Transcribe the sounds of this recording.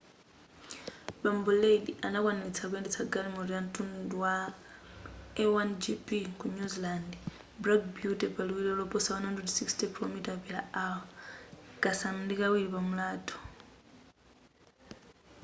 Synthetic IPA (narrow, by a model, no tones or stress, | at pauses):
ɓambuledianakwanilit͡sʰak̬wɛndɛt͡saɡalimuɾiam̩tunduwa | ɛwand͡ʒipikuɲuziland | bɾakbjutɛpaluwiɾɛlɔpɔsawanandɛdsikstɛkilɔmitapila̰awa | kasamundikawiɾipamulaːtʰɔ̥